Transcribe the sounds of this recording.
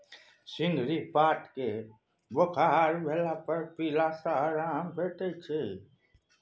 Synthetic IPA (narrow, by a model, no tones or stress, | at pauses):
sɪŋɡɾipaːʈke | bəkʰaɦaːɾbʱelapəɾpiːlasaɦɾaːmpʰeːʈet͡ʃʰe